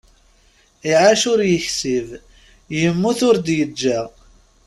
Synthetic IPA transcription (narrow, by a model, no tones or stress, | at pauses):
iʕaʃʊɾjəçsiv | jəmːuθʊɾd̪jəd͡ʒːa